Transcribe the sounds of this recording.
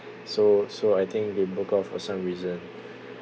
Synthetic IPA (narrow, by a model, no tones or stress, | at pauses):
sosoajt̪ʰɪ̃ŋk̚debukɔfɔ̰sãmɹizə̃n